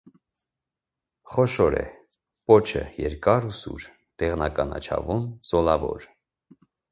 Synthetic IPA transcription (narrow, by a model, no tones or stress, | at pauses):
χɔʃɔɾɛ̰ | pɔt͡ʃʰə̰jɛɾkɑɾusṵɾ | d̪̥ɛʁnɑkɑnɑt͡ʃʰɑ̰vunzɔlɑvɔ̰ɾ